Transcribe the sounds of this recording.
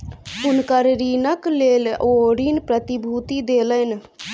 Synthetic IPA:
unkəɾɾinəkleloɾinpɾət̪ibʱut̪id̪elən

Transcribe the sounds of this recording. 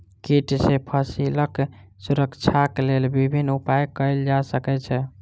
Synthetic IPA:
kiʈsepʰəsiləksuɾəkt͡ʃʰakelelbibʱinːupajkəɪld͡ʒasəkɛt͡ʃʰɛ

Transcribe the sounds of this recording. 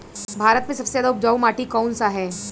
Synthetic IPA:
bʱaːɾət̪mẽsɐb̥sejaːd̪aʊp̚d͡ʒaːumaːʈikɔːnsaɦɛː

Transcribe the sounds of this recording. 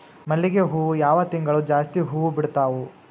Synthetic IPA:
mɐlːiɡeɦuːʋujaːʋɐt̪iŋɡɐɭud͡ʒaːst̪iɦuːʋubiɽt̪aːʋu

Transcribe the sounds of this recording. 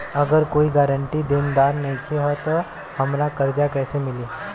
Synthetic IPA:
əɡəɾkoːiɡaːɾəɳʈid̪ɪnd̪aːɾnəĩkʰiɦɔt̪ɔ | həmɾakəɾd͡ʒakɛːsemɪliː

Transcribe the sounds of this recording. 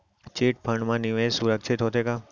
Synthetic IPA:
t͡ʃeʈ̚pʰəɳɖmãniʋẽsuɾək̚t͡ʃʰet̪ɦot̪ʰeka

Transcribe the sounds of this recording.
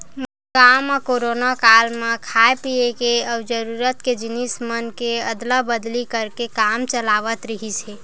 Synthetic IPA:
m | ɡamekoɾonakalmekʰaepijekeəbd͡ʒəɾuɾət̪ked͡ʒinismənkeəd̪ləbəd̪likəɾkekamt͡ʃəlaʋət̪ɾəɦit͡ʃʰɛ

